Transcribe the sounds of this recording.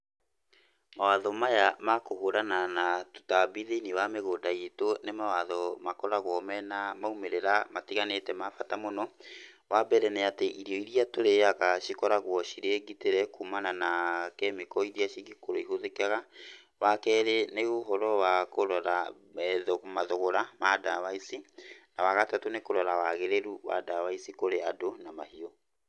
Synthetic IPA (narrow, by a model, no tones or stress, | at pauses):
mawaðɔmajamakohoɾananatu̥tabiðeiniwameɣodaetonemawaðɔmakɔɾaɣwɔmɛnamaumeɾeɾamatiɣanetɛmafatamɔnɔ | wabɛɾɛnɛateʔiɾiɔiɾiatoɾeaɣaʃikɔɾaɣwɔʃiɾeɡiteɾɛkumananakɛmekɔiɾiaʃiɡikoɾoiɦoðekaɣa | wakɛɾeneoɦɔɾɔwakoɾɔɾa | ɛðomaðoɣoɾamadawaisinawaɣatatonekoɾɔɾawaɣeɾeɾuwa̰dawaisikoɾeadonamahiɔ